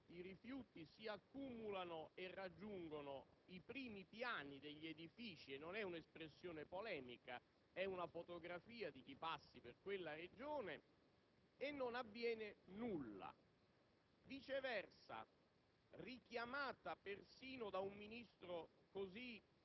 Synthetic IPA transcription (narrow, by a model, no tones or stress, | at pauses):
iɾifjuːt̪isiakːumulanoerːad͡ʒːuŋɡonoipɾiːmipjaːnid̪eʎːed̪ifiːt͡ʃienːonɛunespɾesːjoːnepolɛːmika | ɛunafot̪oɡɾafiːad̪ik̟ipasːiperkwelːared͡ʒoːne | enːonavːjɛːnenulːa̰ | vit͡ʃevɛrsa̰ | rik̟jamaːt̪apersiːnod̪aumːinist̪ɾo | kozi